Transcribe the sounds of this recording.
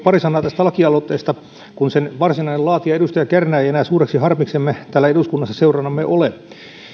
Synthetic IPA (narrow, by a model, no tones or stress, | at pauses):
pɑrisɑnːˑɑːt̪æst̪æɑlɑkiɑlot̪ːˑeːst̪ɑ | kunsenʋɑrsinɑinelɑːt̪iɑedust̪ɑjɑkærnæːejenæːsuːreksihɑrmiksemːet̪æːlːæeduskunːɑsːɑseurɑnːɑmːeʔole